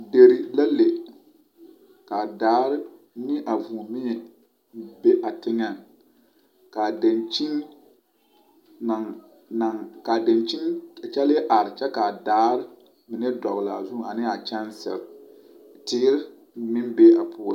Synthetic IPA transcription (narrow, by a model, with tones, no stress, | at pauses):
de˨ɾi˨la˦le˨ | ka˨daː˨˦ɾɪ˦ | nɪ˦ʔa˨vu˨mɪ˦ɲɛ˨ | be˦ʔa˨tɪ˦ŋa˨n | ka˨da˨nt͡ʃi˦n | na˨ŋ | na˨ŋka˨da˨nt͡ʃi˦na˨t͡ʃɛ˦lɪ˦ʔa˨ɾɪ˨t͡ʃɛ˦ka˨daː˨˦ɾɪ˦ | mɪ˨nɛ˦dɔ˨ɣla˨a˨zu˦˨a˨nɪ˦a˨t͡ʃɛ˦nsɛ̰˨l | tɪ˦ɪ˦ɾɪ˦ | mɪ˦nbe˦a˨pʰʊː˦la˦